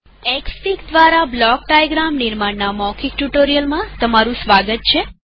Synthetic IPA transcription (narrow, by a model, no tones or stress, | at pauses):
ɛkspikd̪ʋaɾablɔk̚ɖajɡɾamniɾmaɳnamɔkʰikʈuʈoɾijəlmãt̪əmaɾũsʋaɡət̪̚t͡ʃʰe